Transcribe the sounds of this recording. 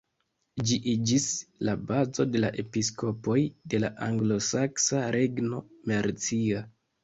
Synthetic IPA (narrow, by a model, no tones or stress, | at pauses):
d͡ʒiʔid͡ʒislabazo̞de̞laʔe̞pisko̞po̞jde̞laʔaŋɡlo̞saksaɾʔe̞ɡno̞maɾt͡sia